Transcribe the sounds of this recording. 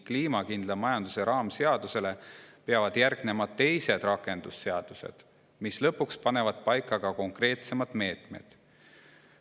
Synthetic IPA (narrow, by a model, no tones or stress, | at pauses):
kliːmɑkind̪lɑmɑjɑnd̪̥use̞ɾɑːmse̞ɑd̪̥use̞le̞pe̞ɑvɑd̪̥jærɡ̥ne̞mɑt̪ːe̞jse̞d̪̥rɑkːˑe̞nd̪̥usːe̞ɑd̪̥use̞̰d̪̥ | mislɤpːˑukspɑne̞vɑd̪̥̚pɑjkːˑɑɡ̥ɑko̞ŋkre̞ːt̪se̞mɑd̪̥me̞ːt̪me̞̰d̪̥